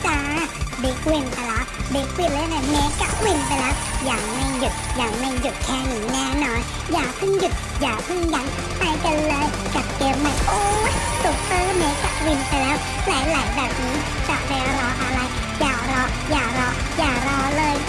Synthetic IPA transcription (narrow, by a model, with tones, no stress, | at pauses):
t͡ɕaː˧˩˧bi˨˦˥k̚wi˧˩npa˧˩la˨˦˥bi˨˦˥k̚wi˧˩nlːna˧˩meː˨˦˥ka˧˩wi˧npa˧jlɛː˦˥wjaː˨˩ŋma˧˩jju˨˩t̪̚jaː˨˩ŋma˧˩jju˨˩t̪̚kʰɛː˧˩ŋi˨˦ŋaː˧˩nɔː˨˦j | jaː˨˩k̚pʰɯ˧˥˩ŋju˨˩t̪̚jaː˨˩pʰɯ˧˥˨ŋja˨˦n | t̪a˧jka˧nlɤː˧j | ka˨˩t̚keː˧˩mːa˧˩jʔoː˧˦ | su˨˩k̚sɯː˦˥me˨˦˥ka˧˩wi˧npa˧jlɛː˦˥w | laː˨˦jlaː˨˦jbɛː˨˩p̚niː˨˦˥ | t͡ɕa˨˩ba˧ɾɔː˧ʔa˧ɾa˧j | jaː˨˩k̚ɾɔː˧ | jaː˨˩kɾɔː˧ | jaː˨˩ɾɔː˧lɤː˧j